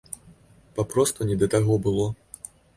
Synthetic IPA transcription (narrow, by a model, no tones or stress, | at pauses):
papɾɔst̪unʲɛd̪ɐt̪aɣɔbɨlˠɔ